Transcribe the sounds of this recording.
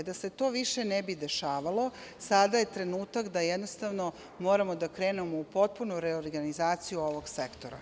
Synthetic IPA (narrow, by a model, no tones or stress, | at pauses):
d̪ase̞t̪o̞ːʋiʃe̞nebid̪e̞ʃaːʋalo̞sad̪aje̞t̪ɾe̞nuːt̪akd̪ajed̪nost̪aʋno̞ | mo̞ːɾamo̞d̪akɾe̞ːnemoupo̞t̪̚punuɾeoɾɡanizaːt̪sijuo̞ʋo̞ɡsekt̪oɾa̰